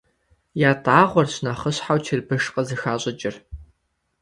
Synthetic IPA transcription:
jaːtʼaːʁʷɔrɕnɐχəɕħawt͡ʃʰɪrbɨʂqəzɨxaːɕʼɪt͡ʃʼɪr

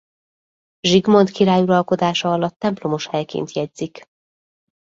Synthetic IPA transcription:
ʒiɡmo̞nt̪kiɾaːjuɾɒlko̞d̪aːʃɒɒlɒt̪ːɛmplo̞moʃhɛjkḛːnt̪jɛdz̥ik

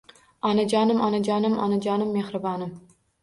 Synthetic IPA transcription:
ɑnɐd͡ʒɑːnɨmɑ̰nɐd͡ʒɑːnɨmɑ̰nɐd͡ʒɑːnɨmːexɾɨbɑːnɨm

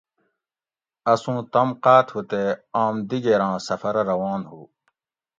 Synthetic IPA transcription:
ɐsũːt̪ɐmqaːt̪hut̪eaːmd̪iɡeːɾãːsɐfɐɾɐɾɐwãːnɦuː

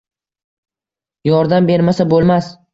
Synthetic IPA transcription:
jɒɾd̪ambe̞ɾmasabolˠmas

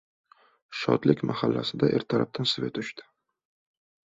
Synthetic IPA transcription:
ʃɒ̰d̪lɪkʲmahalːa̰sɪd̪aʔeɾt̪ʰaɾap̚t̪ansɪve̞̰t̪ʊʃt̪ɪ̥

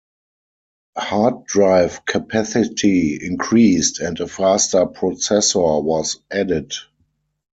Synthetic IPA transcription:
hat̚dɹaɪfkʰapʰæsɪtʰiɪ̃nkʰɹiːstɛ̃ntəfastə˞pʰɹɔsɛsɔ˞wɔzædɪd

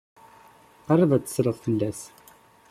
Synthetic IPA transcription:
qɑrˤːəðˤæt͡sːə̥sɾəðˤfəlːæs

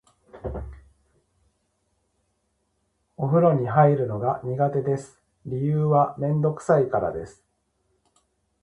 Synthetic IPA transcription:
o̞ɸɯ̟ɾo̞ɲ̟iɦaiɾɯ̟no̞ɡaɲ̟iɡat̪e̞d̪e̞sɨ̥ | ɾʲijɯːβamẽ̞nd̪o̞kɯ̟̥saikaɾa̰d̪e̞sɨ̥

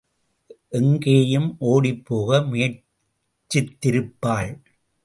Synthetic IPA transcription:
ʔɛŋɡeːjɯmʔoːɽipːoːɣɐmʊjɐ | t͡ʃːɪt̪ːɪɾɯpːaːɭ

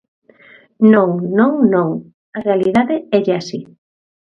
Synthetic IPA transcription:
nõŋnõŋnõŋ | ɐrealiðaðɪɛʎeasi

